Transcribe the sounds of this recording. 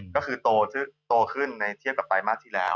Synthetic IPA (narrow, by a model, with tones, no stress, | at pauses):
kɔː˥˩kʰɯː˧t̪oː˧t̪ʰɯ˥˩t̪oː˧kʰɯ˥˩nːa˧jt̪ʰi˥˩əp̚ka˨˩p̚ːa˧jmaː˥˩k̚t̪ʰiː˥˩lɛ̰ː˦˥w